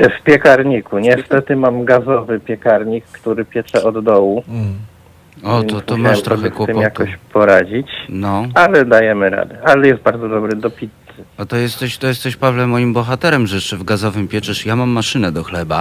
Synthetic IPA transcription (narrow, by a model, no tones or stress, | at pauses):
fpʲjɛkaɾɲikuɲɛst̪ɛt̪ɘmamɡazɔvɘpʲjɛkaɾɲikːt̪uɾɘpʲjɛt͡ʂɛɔd̪d̪ɔwu | ɔt̪ɔt̪ɔmat̪ɾɔxɛkwɔpt̪ɪmjak̪tɔɕpʰɔɾad͡ʑit͡ɕnɔalɛd̪ajɛmɘɾa̰d̪ɛʔalɛjɛst̪̚baɾd̪zɔd̪ɔbɾɘd̪ɔpʲit̪sɘat̪ɔjɛst̪ɛɕt̪ɔjɛst̪ɛɕpavlɛmɔjimbɔxat̪ɛɾɛmʐɛɛʂɛvɡazɔvɘmpʲjɛt͡ʂɛʂjamamːaʂɘnɛd̪ɔxlɛba